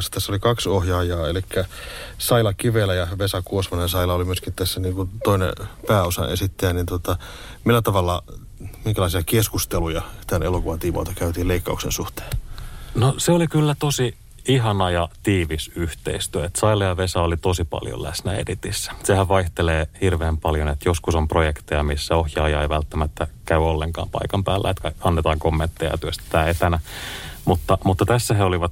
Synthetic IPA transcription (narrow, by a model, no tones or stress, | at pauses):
sɑ̥t̪æsːolikɑksohjɑːjɑːelikːæsɑilɑkiʋelæjɑʋesɑkuosʋɑnensɑilɑolimyøskint̪æsːæniːŋkunt̪oinḛpæːosɑ̰nḛsit̪ːeænint̪uot̪ɑ | milːæt̪ɑʋɑlːɑ | miŋkælɑˑisiɑkeskust̪elujɑt̪ænelokuʋɑnt̪iːmo̰ˑːt̪ɑkæyt̪iːleikːɑuksḛnsuht̪e̥ːnnoseolikylːæt̪osi | iɦɑnɑjɑt̪iːʋisyht̪ḛist̪yøet̪sɑilɑjɑʋesɑolit̪osipɑ̰ljo̰læ̰snæḛdit̪isːæ̥sehæʋʋɑiht̪eleːhirʋeːmpɑljonet̪joskusomprojekt̪ejɑmisːæohjɑːjɑeiʋælt̪ːæmæt̪ːækæyolːeŋkɑ̰ːmpɑ̰ikɑmpæːlːæ̰et̪kæɑnːet̪ɑːŋkomːent̪ːejɑ̰t̪yøst̪æ̥t̪æːet̪ænæmut̪ːɑmut̪ːɑt̪æsːæheoliʋɑt̪